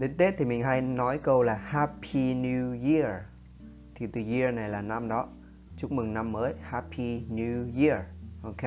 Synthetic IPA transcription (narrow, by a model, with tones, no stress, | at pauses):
ɗe˨˦nt̪e˦˥t̪ʰi˨˩mi˨˩ŋɦa˧jnɔ˨˦jkə˧wlaː˨˩ha˦pʰi˧nju˧ji˧ə˩ | t̪ʰi˨˩t̪ɨ˨˩ji˧ə˧na˨˩jlaː˨˩na˧mɗɔ˨˦ | t͡ɕu˦˥mɨ˨˩ŋna˧mːəː˨˦jha˧˥pʰi˧nju˧ji˧˥ə˩ʔo˧ke˦